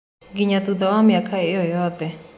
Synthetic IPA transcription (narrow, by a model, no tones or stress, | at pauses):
ɡiɲat̪ud̪ɔwamjakʰaeɔjɔt̪ɛ